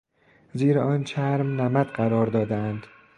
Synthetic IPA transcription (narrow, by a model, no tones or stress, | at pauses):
ziːɾeɒːnt͡ʃʰæɾmnæmæd̪̥ɢæɾɒːɾd̪ɒːd̪æænd̪̥